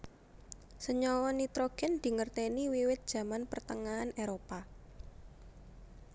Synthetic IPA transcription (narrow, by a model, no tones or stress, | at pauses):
səɲɔwɔnit̪ɾoɡ̥ɛ̤nd̪̥i̤ŋərt̪ɛniwiwɪt̪̚d̥ʒ̥ä̤manpərt̪əŋaɦaneɾopa